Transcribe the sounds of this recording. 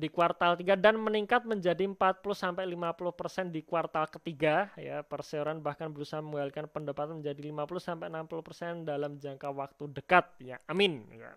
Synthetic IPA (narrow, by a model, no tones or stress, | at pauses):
dikuwart̪alt̪iɡadanməniŋkat̪̚məɲd͡ʒadiəmpat̪̚pulʊhsampajlimapulʊhpərsɛndikuwart̪alkət̪iɡaja̰pərseoɾanbahkanbəɾusaɦaməŋalkanpəndapat̪aməɲd͡ʒadilimapuluhsampajənampuluhpərsɛndalamd͡ʒaŋkawak̚t̪udəkat̪̚jaamɪnja̰